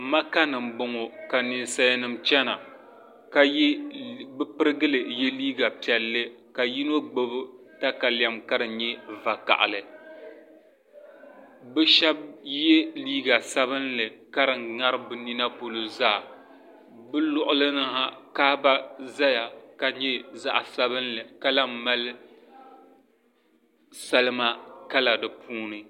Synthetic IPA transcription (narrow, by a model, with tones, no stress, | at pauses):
ma˦ka˦nɨ˨m̩˦bʊ˨ŋo˨ka˨ni˨nsa˦ja˦nɨ˨mt͡ʃɛ˦na˨ | ka˦bɨ˦pɨ˦ɾɨ˦ɡɨ˦lɨ˨jɛ˦liː˦ɡa˨pi˨ɛ˨lːɨ˦ | ka˨ji˦n˦o˦ɡ͡bo˦bɨ˦ | ta˦ka˨la˨mka˦ɾɨ˨ɲɛ˦va˨ka̰˨ʔa̰˨lɨ˨ | bɨ˦ʃɛ˦b̚jɛ˦liː˦ɡa˨sa˦bɨ˦nlɨ˨ka˦ɾɨ˨ŋa˦ɾɨ˦bɨ˨ni˦na˦po˨lo˨zaː˦˨ | bɨ˦lʊ˦ʔʊ˦lɨ˦nɨ˦ha˦kaː˦ba˦za˦ja˨ka˨ɲɛ˦za̰˦ʔa˨sa˦bɨ˦nlɨ˨ka˦la˦m˦ma˦lɨ˦ | sa˦lɨ˦ma˦ka˦la˨dɨ˨pʰuː˦nɨ˦